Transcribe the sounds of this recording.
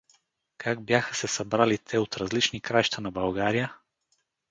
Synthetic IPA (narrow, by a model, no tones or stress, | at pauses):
kʰaɡ̚bjaxə̥sɛsɐbɾalit̪ʰɛot̪ɾɐzlit͡ʃnikɾajʃt̪ənɐbɐlˠɡaɾijə